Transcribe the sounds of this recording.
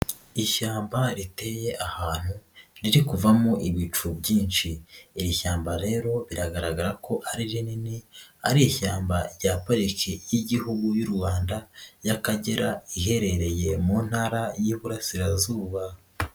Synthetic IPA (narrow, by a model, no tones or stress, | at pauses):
iʃaːmbaɾite̞je̞ʔahaːn̥huɾiɾikuvamoʔiβit͡ʃubɟiːnʃiːɾiçaːmbaɾe̞ːɾo̞βiɾaɡaɾaɡaɾakʰo̞ʔaɾiɾininea̰ɾijiçaːmbaɾɟaːpaɾikejiɟihuɡujuɾwaːndajakaɟeɾaiɦe̞ɾe̞ɾe̞je̞muːn̥haːɾajiβuɾasiɾazuːβa